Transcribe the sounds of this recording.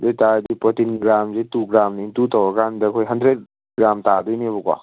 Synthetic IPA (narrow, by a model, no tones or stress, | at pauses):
dɔjtadipɔtinɡɾamzetuɡɾamnɐintutɔwɐkandɐkʰojɦɐndɾet̚ | ɡɾamtadɔjnebɔkwa̰